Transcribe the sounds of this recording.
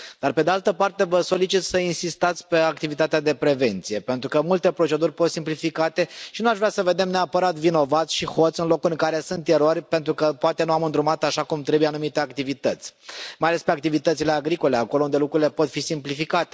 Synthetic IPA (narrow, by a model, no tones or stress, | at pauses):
d̪̥arpe̞d̪ealt̪əpart̪e̞vəso̞lit͡ʃit̪səinsist̪at̪sʲpe̞ak̚t̪ivit̪at̪ead̪e̞pɾe̞ve̞nt̪sije̞pe̞nt̪ɾukəmult̪e̞pɾo̞t͡ʃe̞d̪urʲpo̞t̪simplifikat̪e̞ʃinuaʃvɾʲasəve̞d̪e̞mne̞apəɾat̪vino̞vat̪sʲʃiho̞t̪sɨnlo̞kuɨŋkaɾe̞sunt̪eɾo̞rʲpent̪ɾukəpoat̪e̞nuamɨnd̪ɾumat̪aʃakumt̪ɾe̞bujeanumit̪eakt̪ivit̪ət̪sʲmajale̞spe̞ak̚t̪ivit̪ət̪sile̞aɡɾiko̞le̞ako̞lound̪e̞lukɾuɾile̞po̞t̪fisimplifikat̪e